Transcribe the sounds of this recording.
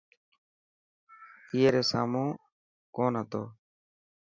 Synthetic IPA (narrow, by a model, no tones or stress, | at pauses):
iːeːɾeːsa̰ːmõː | koːnɦət̪o̰ː